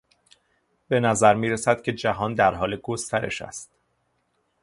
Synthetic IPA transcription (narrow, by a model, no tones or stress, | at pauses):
be̞næzæɾmiːɾesæd̪̥̚cʰe̞d͡ʒæɦɒːnd̪æɾɦɒːleɡost̪ʰæɾe̞̰ʃæ̰st̪